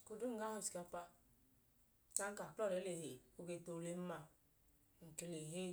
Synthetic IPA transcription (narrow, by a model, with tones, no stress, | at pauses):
ko˨du˦ŋ̩˦ɡa˦ho˦˨si̥˨ka˦pa˦ | na˦ŋ̩˦ka˨klɔ˦ɾe˨˦le˨he˨o˦ɡe˧˨to˨le˦m˦a˧˨ | ŋ̩˨ke˨le˨ɦe˦